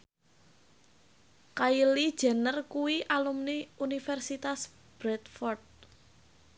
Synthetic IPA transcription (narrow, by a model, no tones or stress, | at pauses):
kaili̥ʒ̥a̤nərkuwiʔalumniunifɛrsit̪as | b̥ɾɛt̪̚fɔrt̪̚